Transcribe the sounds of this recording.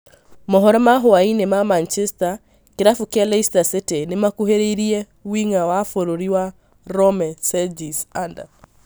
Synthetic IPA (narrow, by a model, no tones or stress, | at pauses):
mɔɦɔɾɛmaɦoainemamant͡ʃɛsta | keɾafukealeistasetenemakuɦeɾeiɾiɛ | wiŋawafoɾoɾiwa | ɾɔmɛsɛd͡ʒisanda̰